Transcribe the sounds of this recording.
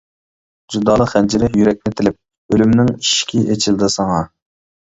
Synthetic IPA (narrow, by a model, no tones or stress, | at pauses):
d͡ʒud̪ɑːlˠəχɛnd͡ʒiɾɪjyɾɛk̚ʲnɪt̪ʰɪlɪp̚ | ølymnɪŋiʃkʲʰiʔet͡ʃʰild̪ɨsɑŋɑ